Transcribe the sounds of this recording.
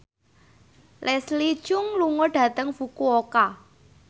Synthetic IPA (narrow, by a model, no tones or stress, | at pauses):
lʔɛsli̥ʒ̥ʊŋluŋɔɖ̥ä̤t̪əŋfukuoka